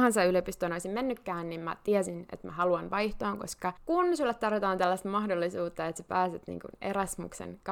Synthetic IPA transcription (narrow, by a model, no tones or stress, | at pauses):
hɑnsɑyløpist̪oːnoisimmenːykːæːnnimmæ̰t̪iɛsinḛt̪mæ̰hɑluɑnʋɑjht̪oɑːŋkoskɑkunsylːet̪t̪ːɑrʋit̪ɑːnt̪ælːæst̪mɑhdolːisuːt̪ːɑet̪se̥pæːset̪nḭːŋkṵnerɑsmṵksḛnk